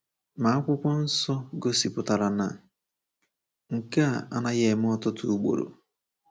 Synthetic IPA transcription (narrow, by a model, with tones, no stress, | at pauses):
ma˨a˦kʷʊ˦kʷɔ˦n̩˦sɔ˦ɡo˦si˨pʊ˨ta˨ɾa˨na̰˨ | ŋ̩˨ka˦˨a̰˦na˦ɣe˨m˦ɔ˦tʊ˦tʊ˦u˦ɡ͡bo̰˨ɾo̰˨